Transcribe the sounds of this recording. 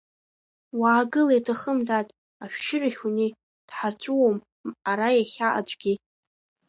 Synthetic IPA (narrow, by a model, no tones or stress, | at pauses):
waːɡɨlajtʰaχəmdatʼ | aʃʃɪraχʲuni | d̥ħart͡ɕʷʰʼuwom | aɾajaχʲaʔa̰d͡ʒʷʼɡʲi